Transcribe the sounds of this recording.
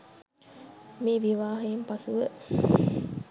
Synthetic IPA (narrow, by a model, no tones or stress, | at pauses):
miːʋiʋaːɦeimpɐsuʋə